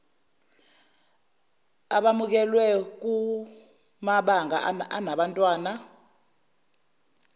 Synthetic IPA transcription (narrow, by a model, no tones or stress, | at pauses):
aɓamuk̬ɛlwɛk̬ʼu | maɓaŋa̰ʔanaɓantʼwaːna